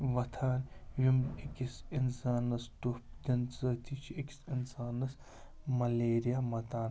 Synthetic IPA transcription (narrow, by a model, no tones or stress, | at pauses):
ʋɐt̪ʰaːnjʲumekʲisinsaːnːɐstupd̪inzɐt̪ʰit͡ʃʰieki̥sinsaːnɐs | mɐleːɾijamɐt̪aːn